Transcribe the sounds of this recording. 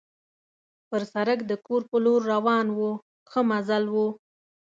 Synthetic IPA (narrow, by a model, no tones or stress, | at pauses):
pəɾsaɾəkd̪əkoɾpəloɾːawɑnwu | xəmazalwu